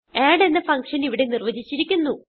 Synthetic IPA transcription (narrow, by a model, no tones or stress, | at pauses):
aːɖenːɐfɐŋkʂɐniʋiɽe̞nirʋɐd͡ʑit͡ɕːiɾikʲːunːu